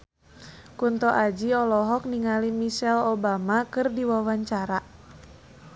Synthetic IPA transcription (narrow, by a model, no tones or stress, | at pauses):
kunt̪ɔʔad͡ʒiɔlɔɦɔk̚niŋalimiʃɛlobamakɨrdiwawaɲt͡ʃaɾa